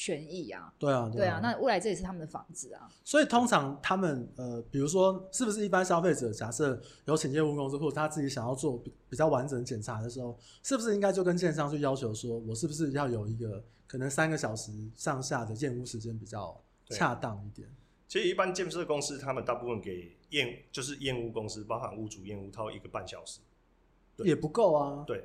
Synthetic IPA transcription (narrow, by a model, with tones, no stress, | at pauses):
t͡ɕʰɥɛ˧˥ni˥˩a̰˨˩t̪we˥˩ɪa˨˩we˥˩ɪa˨˩na˥˧u˥˩a˧ɪt͡sɤ˥˩i˨˩ʂ̩ʰ˥˩a˥ə˨nd̪ə˩fɑ̰˧˥ŋd͡zɹ̩˨˩a̰˨˩ | swɔ˧˥i˨˩t̪ʰo˥ŋʈ͡ʂʰɑ˧˥ŋt̪ʰa˦˥mə˨nə˨˩pi˨˩ɻu˧˥ʂ̬wɔ˥ʂɻ̩˥˩bu˩ʂ̬ɻ̩˥˩i˥˩pa˥˦nɕjɑ˥ʊfe˥˩ɪʈ͡ʂɤ˨˩t͡ɕja˨˩sɤ˥˩jo˧˥ʊt͡ɕʰi˨˩njɛ˥˧nu˥˧ko˥ŋs̩˥˧xo˥˩ʈ͡ʂə˨˩t̪ʰa˥t͡sɹ̩˥˩t͡ɕi˧˥ɕjɑ˨˩ŋjɑ˥˧ʊt͡swɔ˥˩pi˨pi˨˩t͡ɕjɑ˥˩ʊwa˧˦nʈ͡ʂə˨˦ŋd̪ə˧t͡ɕjɛ˨˩nt͡sʰa˧˥˦d̪ə˨ʂɻ̩˧˥xo˥˩ʊ | ʂɻ̩˥˩bu˩ʂ̬ɻ̩˥˧i˥ŋka˥ɪt͡ɕjo˥˩ʊkə˦nɕjɛ˥˧nʂ̬ɑ˥˧ŋt͡ɕʰy˥˩jɑ˥ʊt͡ɕʰjo˧˥ʊswɔ˥wɔ˨˩ʂ̬ɻ̩˥˩bu˩ʂ̬ɻ̩˥˧jɑ˥˩ʊjo˨˩ʊi˧˥ɡə˧kʰɤ˨˩nə˧˦ŋsa˥nɡə˨ɕjɑ˨˩ʊʂɻ̩˧˦ʂɑ˥˧ŋɕja˥˩d̪ə˩jɛ˥˧nu˥ʂɻ̩˧˥t͡ɕjɛ˥npi˨˩t͡ɕjɑ˥˩ʊ | t͡ɕʰja˥˧t̪ɑ˥˧ŋi˥˩t̪jɛ̰˨˩˦n | t͡ɕʰi˧˥ʂɻ̩˨i˥˩pa˦nt͡ɕjɛ˥˧ns̬ə˥d̪ə˨˩ko˦ŋs̩˦t̪ʰa˦˥mə˨nt̪a˥˧pu˥˧fə˥˨nke˨˩ɪjɛ˥˨nt͡ɕjo˥˧ʊʂ̬ɻ̩˥˧jɛ˥˧nu˥˩ko˦˥ŋs̩˦pɑ˥ʊfa̰˨˩nu˥˩t͡su˨˦jɛ˥˧nu˥˩t̪ʰɑ˥˧ʊḭ˧ɡə˨˩pa˥˩nɕjɑ˨˩ʊʂɻ̩˨˦ | we˥˨jɛ˨˩pu˧˥ko˥˨˩ʊa˨t̪we˥˩